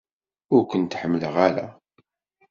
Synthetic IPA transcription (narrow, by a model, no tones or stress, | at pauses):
ʊɾkʷənt̪ħəmːləʁæɾæ̰